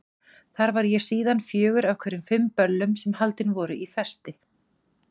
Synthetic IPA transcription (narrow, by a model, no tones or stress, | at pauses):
θaɾvaɾjɛɾ̥siːðanfjœːɣʏɾavkʰvɛɾʏmfɪmpœlːʏmsɛmhalt̪ɪnvɔːɾʏʔifɛ̥st̪ɪ